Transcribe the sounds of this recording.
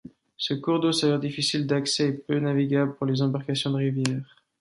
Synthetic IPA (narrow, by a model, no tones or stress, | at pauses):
səkuʁd̪osavɛʁd̪ifisild̪aksɛɛpønaviɡʲabləpuʁlezɑ̃baʁkasjɔ̃d̪əʁivjɛːʁ